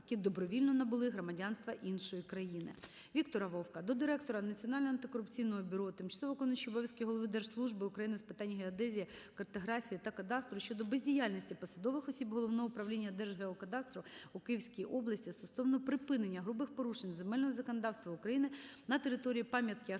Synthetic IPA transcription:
kʲid̪ɔbɾɔʋʲilʲnɔnɐbʊlˠɪɦɾɔmɐdʲɑnst̪ʋɐʔinʃɔjikɾɐjinɪ̰ | ʋʲikt̪ɔɾɐʋɔwkɐd̪ɔd̪ɪɾɛkt̪ɔɾɐnɐt͡sʲiɔnɑlʲnɔɦɐnt̪ɪkɔɾʊpt͡sʲijnɔɦɔbʲʊɾɔt̪ɪmt͡ʃɐ̥sˠɔʋɔkɔnɔʃʲiɔbɔʋʲjɐsʲkʲɪɦɔlˠɔʋɪd̪ɛrʒ̥slˠuʒbɪʊkɾɐjinɪspɪ̥t̪ɑnʲːɦeɐd̪ɛzʲijikɐrt̪ɔɦɾɑfʲijit̪ɐkɐd̪ɑst̪ɾʊʃt͡ʃɔd̪ɔbezʲdʲijalʲnʲisʲtʲipɔsɐd̪ɔʋɪxɔsʲibɦɔlˠɔʋnɔɦɔʊpɾɐʋlʲinʲːɐd̪ɛrʒɦeɔkɐd̪ɑst̪ɾʊukɪjiwsʲkʲijiʔɔblˠɐsʲtʲist̪ɔsɔʋnɔpɾɪpɪnenʲːɐɦɾubɪxpɔɾuʃenʲzemɛlʲnɔɦɔzɐkɔnɐd̪ɑwst̪ʋɐʊkɾɐjinɪnɐt̪eɾɪt̪ɔɾʲijipɑmʲjɐt̪kʲɪɐ

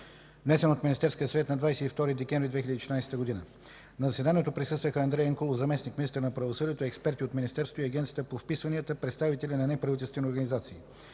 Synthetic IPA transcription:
vnɛsɛnot̪minist̪ɛɾskiəsvɛt̪nɐd̪vajsɛt̪ift̪ɔɾid̪ɛkʲɛɱvɾid̪vɛxʲilʲəd̪it͡ʃʃʲnajsɛ̥t̪əɡod̪inə̰ | nɐzɐsɛd̪aniɛt̪opɾisɤst̪vəxəɐnd̪ɾɛjɐŋkolˠofzɐmɛsnikminist̪əɾnɐpɾɐvosɤd̪iɛt̪oiɛkspɛɾt̪iot̪minist̪ɛɾst̪oiɐɡʲɛnt̪siət̪əpofpisvɐniət̪əpɾɛt̪st̪avit̪ɛlʲinɐnɛpɾɐvit̪ʲɛlˠst̪ɛnoɾɡənizat̪siː

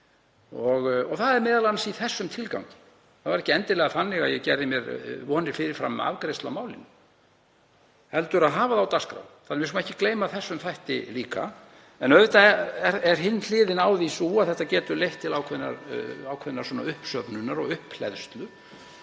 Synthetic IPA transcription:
ɔɣɔɣθaðɛɾmɛːðalanasiθɛsːʏmt̪ʰɪlka̰wɲcɪ̥ | θaðvaɾɛhcɪɛnt̪ɪlɛɣafanːɪɣajɛɣcɛɾðɪmjɛɾvɔːnɪɾ̥fɪːɾɪɾ̥fɾa̰m̰ːa̰vkɾest̪lawmaːwlɪnʏ | hɛlt̪ʏɾaðɦaːvaðawt̪askɾa̰wθaðɾmjɪskmaɛhcːɪ̥kleːjmaθɛsːʏmθajht̪ɪ̰liːka̰ | ɛnœvʏt̪aɛɛɾɛɾ̥ɦɪnːl̥ɪːðɪnaːwðisuaðθɛht̪ːacɛːt̪ʏɾlejht̪ʰːɪlawkʰɛðna̰ɾawkʰɛðɪnaɾswɔːna̰ʏhpsœpnʏnaɾɔɣʏhpl̥ɛ̰ðst̪lʏ

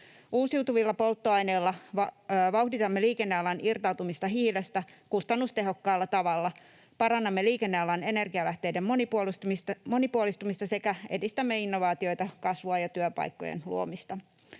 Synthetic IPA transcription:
uːsiut̪uʋilːɑpo̞lt̪ːoɑjne̞ːlːɑʋɑʋɑuhdit̪ɑmːeliːkenːeɑlːɑnirt̪ɑwt̪umist̪ɑɦiːlest̪ækust̪ɑnːust̪e̞ɦo̞kːɑːlːɑt̪ɑʋɑlːɑ | pɑɾɑnːɑmːeliːkenːeɑlːɑne̞ne̞rɡiɑlæht̪e̞jdemːoipulmo̞nipuolist̪umist̪ɑse̞kæe̞̰dist̪æmːe̞inːoʋɑːt̪io̞jt̪ɑkɑsʋoɑjɑt̪yøpɑ̰jkːo̞̰jḛnlṵo̰mist̪ɑ

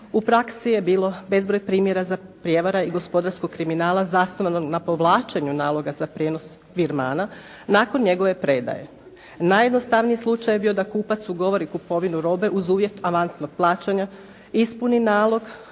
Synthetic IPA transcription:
upɾaksije̞biːlˠo̞be̞zbɾo̞jpɾiːmjeɾazapɾje̞ʋaɾaiɡo̞spo̞d̪aɾskoɡ̚kːɾiminaːlˠazasnoʋanoɡnapo̞ʋlˠaːt͡ʃeɲunaːlˠo̞ɡazapɾjeːno̞s | ʋiɾma̰ːna | naːko̞nɲe̞ɡo̞ʋe̞pɾed̪a̰je̞̰ | najed̪no̞st̪aʋnijislˠut͡ʃajbiːo̞d̪akuːpat̪suɡo̞ʋo̞ɾikupo̞ʋinuɾo̞ːbe̞ʔuzuːʋje̞t̪aʋansno̞ɡ̥̚plˠaːt͡ʃaɲa | ispuninaːlˠo̞ɡ

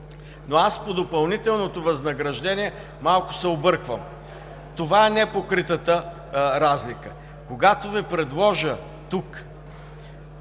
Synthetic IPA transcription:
noaspod̪opɐlˠnit̪ɛlˠnot̪ovɐznɐɡɾɐʒd̪ɛniɛ | malˠkʊ̥sɛobɤɾkvəm | t̪ovaɛnɛpokɾit̪ət̪ə | ɾazlikə | koɡat̪ovɛpɾɛd̪lˠɔʒə | t̪uk

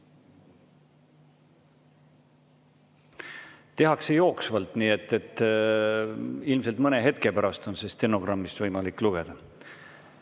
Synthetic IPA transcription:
t̪e̞ɦɑksejo̞ːksvɑlt̪ˑniːe̞t̪ːˑe̞t̪ːˑ | ilmselt̪mɤne̞ɦe̞t̪̚ke̞pæɾɑst̪o̞nsest̪e̞no̞ɡ̥rɑmːisvɤjmɑlikːˑluɡ̥e̞d̪̥ɑ

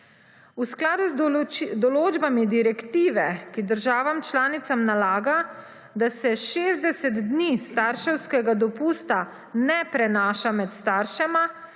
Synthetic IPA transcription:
usklaːd̪uzd̪ɔloːd͡ʒbamid̪iɾɛkt̪iːʋɛkid̪əɾʒaːʋamt͡ʃlaːnit̪samnalaːɡa | d̪asɛʃeːzd̪ɛsɛt̪d̪nist̪aɾʃɛwskɛɡad̪ɔpuːst̪a | nɛpɾɛnaːʃamɛt̪st̪aːɾʃɛma

